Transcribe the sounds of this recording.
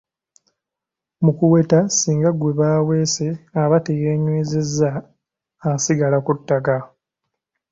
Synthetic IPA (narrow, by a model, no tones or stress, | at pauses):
mukuwe̞tasiːŋɡaɡwe̞βaːwe̞ːseaβatejeːɲweːzezːaː | siɡalakutːaka